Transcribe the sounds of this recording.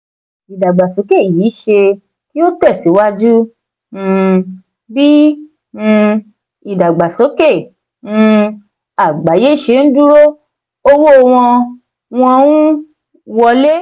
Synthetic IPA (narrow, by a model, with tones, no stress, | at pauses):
i˨da˨ɡ͡ba˨so˨˦ke˦˨jiː˨˦ʃe˧ | ki˦o˦tɛ˦˨si˨˦wa˦d͡ʒũ˦˧ | bĩ˦˧ | i˦˨da˨ɡ͡ba˨so˨˦kẽ˦˨˧ | a˨ɡ͡ba˨˦je˦˨ʃe˧n̩˦du˦ɾo˦ | o˦˧wo˦˧w̃ɔ̃˧ | w̃ɔ̃˧ũ˦ | wɔ˧le˦